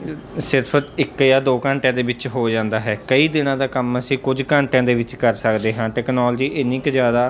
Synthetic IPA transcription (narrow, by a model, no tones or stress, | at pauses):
sɪɾpʰəɪkjaːd̪oːkəɳʈjãːd̪eːʋɪt͡ʃɦoːd͡ʒãːnd̪aːɦɛːkəiːd̪ɪnãːd̪aːkəməsĩːkʊd͡ʒkəɳʈjãːd̪eːʋɪt͡ʃkəɾsəkd̪eːɦãːʈɛːknɔːld͡ʒiːʔɪnɪkzjaːd̪aː